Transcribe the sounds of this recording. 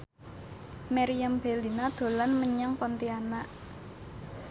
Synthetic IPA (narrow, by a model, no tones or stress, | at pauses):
maɾiambelinad̪̥o̤lanməɲaŋpɔnt̪ianaʔ